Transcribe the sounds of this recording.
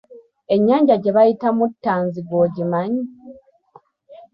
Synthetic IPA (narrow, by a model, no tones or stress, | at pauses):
e̞ɲːaːɲɟaɟeβajitamutːaːnziɡoːɟimaɲi